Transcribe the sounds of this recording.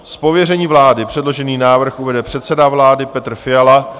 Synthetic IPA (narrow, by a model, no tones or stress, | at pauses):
spo̞vjɛrɛɲiːvlaːdɪpr̥ɛdlo̞ʒɛniːnaːvr̩xʔuvɛdɛpr̝̥ɛt̪sɛdavlaːdɪpɛt̪r̩fɪjala